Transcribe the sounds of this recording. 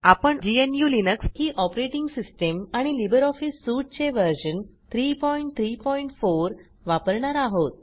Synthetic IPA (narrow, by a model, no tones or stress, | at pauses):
apəɳd͡ʑienjuːlinəkshiːʔɔpɾeʈiŋɡsisʈəmaɽ̃ilibəɾɔfisːuːʈ̚t͡ɕeʋəɾɕənt̪ʰɾiːpɔiɳʈ̚t̪ʰɾipɔiɳʈfoɾ | ʋapəɾɳaɾaɦot̪̚